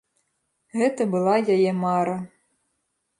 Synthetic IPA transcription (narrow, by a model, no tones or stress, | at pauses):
ɣɛt̪ɐbɨlˠɑjajɛmɑɾɐ